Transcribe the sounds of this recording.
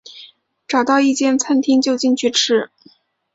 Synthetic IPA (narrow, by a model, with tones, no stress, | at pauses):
ʈ͡ʂɑ˨˩ʊt̪ɑ˥˧ʊi˥˧t͡ɕjɛ˥˩nt͡sʰa˥nt̪ʰi˥ŋt͡ɕjo˥˧ʊt͡ɕi˥˧nt͡ɕʰy˥˩ʈ͡ʂʰɻ̩˥